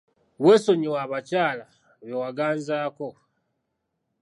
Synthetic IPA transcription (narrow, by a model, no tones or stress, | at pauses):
we̞ːso̞ɲiwaːβacaːla | βewaɡaːnzaːko̞